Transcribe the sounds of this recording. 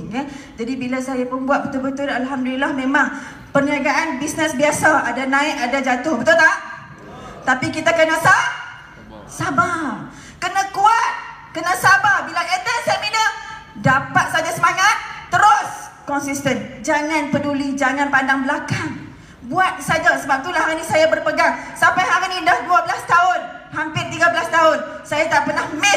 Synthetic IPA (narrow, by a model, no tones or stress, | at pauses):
ŋkand͡ʒadibilasajapʊnbuwat̪̚bət̪ʊbət̪ʊlalɦamdulilahmẽmaŋ | pərnəaɡaʔanbisnəsbiasaadanãɪʔadad͡ʒat̪ʊhbət̪ʊlt̪aʔ | t̪apikit̪akənãsa | saba | kənə̃kuat̪̚ | kənãsababilaket̪asaaminədapat̪̚sad͡ʒasəmaŋat̪̚ːəɾʊskɔnsist̪ənd͡ʒaŋãnpədulid͡ʒaŋãnpandaŋbəlakaŋ | buat̪̚sad͡ʒasəbap̚t̪ulahaɾinĩsajabərpəɡaŋsampajɦaɾinĩdahduabəlast̪aʊn | hampɪrt̪iɡabəlast̪aʊn | sajat̪aʔpərnahmɛ